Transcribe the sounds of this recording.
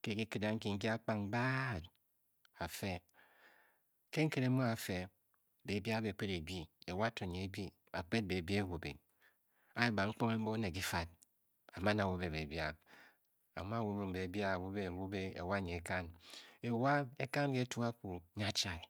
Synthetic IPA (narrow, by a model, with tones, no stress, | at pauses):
ke˦ki˦ki˨da˨ŋ̩˦ki˨ŋ̩˦ki˦a˦k͡pa˦ŋba˦˨d | a˨fe˦ | ke˦ŋ̩˦ke˦ɾe˨˦mo˦a˨fe˨ | be˨bja˦be˨k͡pe˦ɾe˨bi˦e˨wa˦to˨ɲe˨e˨bi˦ | a˨k͡pe˦t̚be˨bi˦e˦˨wo˨bḛ˨ | a˦e˦ba˨ŋ͡m̩˦k͡po˦ŋe˦m̩˦bo˦ne˨k̬i˦fa˦t̚ | a˨ma˦na˨wo˦be˨be˨bja˦ | a̰˨m˦a˦˨wo˨˦mi˨m̩˨be˨bja˦˨wo˦be˦˨wo˦be˦ḛ˨wa˦˨ɲe˨e˨ka˦ne˨wa˦e˦ka˦n˦ke˦tu˦a˦ku˨˦ɲa˦t͡ʃa˨